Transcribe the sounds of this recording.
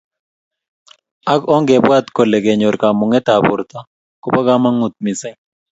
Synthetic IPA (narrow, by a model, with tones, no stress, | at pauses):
a˦kɔ˦ŋɡɛ˨bwa˦t̪ko˨lɛ˨ɡɛ˨ɲo˨ɾka˨mʊ˨ŋɛ˦t̪a˨bʊ̰˨ɾt̪a˦ | kɔ˨pa˦ɡa˦ma˦ŋʊ˨t̪̚mi˨sɛ˦